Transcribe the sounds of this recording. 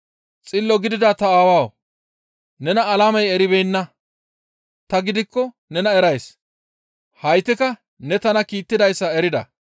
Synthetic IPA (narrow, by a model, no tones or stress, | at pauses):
t͡sʼɪlːɔɡɪd̪ɪd̪at̪ɐaːwaːw | nɛnɐːlaːmɐjɛɾɪbɛjnːɐ | t̪ɐɡɪd̪ɪkːɔ | nɛnɐɛɾɐjs | hɐjt̪ːɪkɐ | nɛt̪ɐnɐkiːt̪ːɪd̪ɐjsːɐɛɾɪd̪ɐ̰